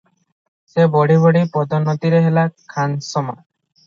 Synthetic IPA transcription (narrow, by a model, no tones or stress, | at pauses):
sebɔɽibɔɽipɔd̪ʱɔnɔt̪iɾeɦelakʰansɔma̰